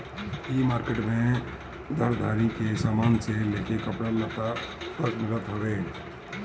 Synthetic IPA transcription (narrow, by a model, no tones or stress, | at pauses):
imaːɾkeʈmẽ | d̪ʱəɾd̪ʱaːɾikesaːmaːnseleːkekəpɽalət̪at̪əkmɪlət̪ɦoʋeː